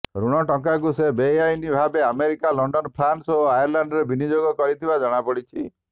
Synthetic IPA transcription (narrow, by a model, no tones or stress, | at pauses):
ɾuɽ̃ɔʈɔŋkak̬usebejajnibʱabeameɾikalɔɳɖɔnpʰɾansoajɔɾlaɳɖɾebinid͡ʒoɡɔkɔɽit̪ʰibad͡ʒɔɽ̃apɔɽit͡ʃʰi